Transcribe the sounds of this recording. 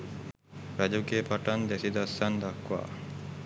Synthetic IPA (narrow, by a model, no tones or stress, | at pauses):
ɾæd͡ʒukeːpaʈand̪esid̪asːand̪akʋa̰ː